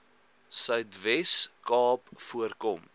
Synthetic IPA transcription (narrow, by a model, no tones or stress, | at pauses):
sœɥtvɛskɑːpfuərkɔm